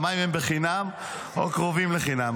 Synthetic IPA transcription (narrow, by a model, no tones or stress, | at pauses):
majimhembeχinam | o̰kʁovimleχinam